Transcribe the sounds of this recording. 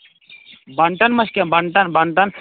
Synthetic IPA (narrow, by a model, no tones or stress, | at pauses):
bɐɳʈɐnmɐskʲebɐɳʈɐnbɐɳʈɐn